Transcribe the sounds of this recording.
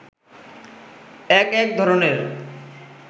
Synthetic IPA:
ɛkɛk̚d̪ʱɔɾoneɾ

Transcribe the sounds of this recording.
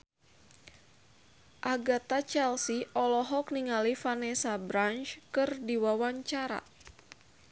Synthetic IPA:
ʔaɡat̪at͡ʃɛlsiʔɔlɔɦɔk̚niŋalifanɛsabɾant͡ʃkɨrdiwawaɲt͡ʃaɾa̰

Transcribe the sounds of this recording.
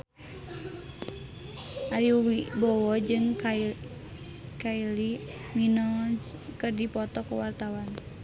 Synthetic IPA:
ʔaɾiuwibɔwɔd͡ʒɨŋk | kaili | minɔkərdipɔt̪ɔkuwart̪awan

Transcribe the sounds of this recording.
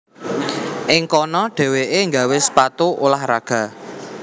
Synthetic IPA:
ʔɪŋkɔnɔɖ̥ɛ̤weʔeŋɡa̤wɪspat̪uʔolahɾaɡ̥a̤

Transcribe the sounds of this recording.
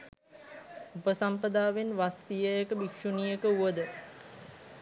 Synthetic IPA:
upəsampəd̪aːʋenʋasijəjəkəbikʂunijəkəuʋəd̪ə

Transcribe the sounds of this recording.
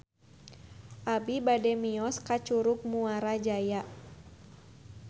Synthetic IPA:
ʔabibadɛmiɔskat͡ʃuɾuk̚muaɾad͡ʒajaʔ

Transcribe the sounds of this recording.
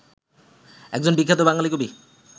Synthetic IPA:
ɛk̚d͡ʑonbikʰːat̪obaŋlalikobi

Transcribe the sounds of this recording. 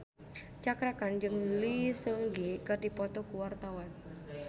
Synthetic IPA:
t͡ʃakɾakand͡ʒɨŋlisəŋɡikɨrdipɔt̪ɔkuwart̪awan

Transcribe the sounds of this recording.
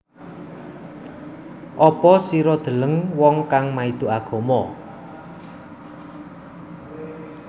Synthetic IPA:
ʔɔpɔsiɾɔd̪̥ə̤ləŋwɔŋkaŋmaid̪̥ṳʔaɡ̥ɔ̤mɔ

